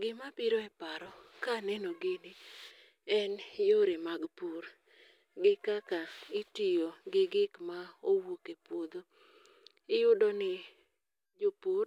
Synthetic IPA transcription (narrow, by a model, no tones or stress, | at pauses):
ɡɪmapiɾoɛpaɾɔkanɛnoɡɪnɪ | ɛnjoɾemaɡpuɾ | ɡɪkakaitijoɡɪɡɪkmaowokepwod̪o | ɪjʊdɔnɪ | d͡ʒopoɾ